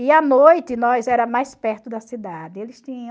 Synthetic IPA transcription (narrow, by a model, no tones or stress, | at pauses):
ɪɐnojt̪ɪnɔjzɛɾɐmajspɛɾt̪ʊd̪ɐsid̪ad̪ɪelɪst̪ĩɲɐ̃